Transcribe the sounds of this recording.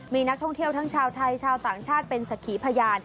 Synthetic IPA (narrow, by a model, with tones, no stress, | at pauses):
miː˧na˦˥k̚t̪ʰɔ˥˩ŋt̪ʰi˥˩əwt̪ʰa˦˥ŋt͡ɕʰaː˧wt̪ʰa˧jt͡ɕʰaː˧wt̪aː˨˩ŋt͡ɕʰaː˥˩t̪̚pe˧nsa˨˩kʰiː˩˦pʰa˧jaː˧n